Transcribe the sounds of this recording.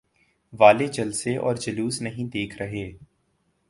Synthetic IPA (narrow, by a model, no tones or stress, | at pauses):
ʋaːled͡ʒɐlseʔɔ̰ːɾd͡ʒɐluːsnɐɦĩd̪eːkʰɾɐɦeː